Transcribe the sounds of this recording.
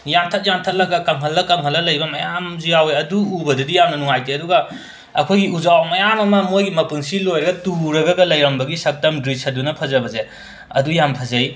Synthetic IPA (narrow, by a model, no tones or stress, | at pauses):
jamtʰɐt̚jamtʰɐt̚lɐɡɐkɐŋɦɐlːɐkɐŋɦɐlːɐlɐjbɐmɐjamzijaweɐduːbɐdɐdijamnɐnuŋajteɐduɡɐ | ɐkʰojɡiuzawmɐjamɐmɐmojɡimɐpuŋsilojɾɐɡɐtuɾɐɡɐɡɐlɐjɾɐmbɐɡisɐk̚tɐmdɾisɐdunɐpʰɐzɐbɐze | ɐdujampʰɐzɐj